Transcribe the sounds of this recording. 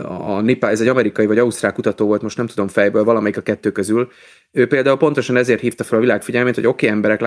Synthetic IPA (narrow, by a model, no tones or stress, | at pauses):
ɒnipaɛzɛɟɒmɛɾikɒivɒɟɒust̪raːlkut̪ɒt̪oːvolt̪mo̞ʃtnɛmt̪ud̪o̞mfɛjbøːlvɒlɒmɛjikɒkɛt̪ːøːkøzyl | øːpeːld̪aːulpo̞nt̪o̞ʃɒnɛzeːrt̪hiːft̪ɒfɛlɒvilaːkfiɟɛlmeːt̪ho̞ɟo̞keːɛmbɛɾɛk